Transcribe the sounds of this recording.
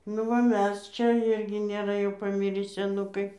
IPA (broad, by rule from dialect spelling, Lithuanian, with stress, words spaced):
nʊ ʋɐ ˈmʲɛs ˈt͡ʃʲɛ ˈɪrʲɡʲɪ nʲeːˈrɐ jɛʊ pɐˈmʲɪrʲiː sʲɛˈnʊkɐɪ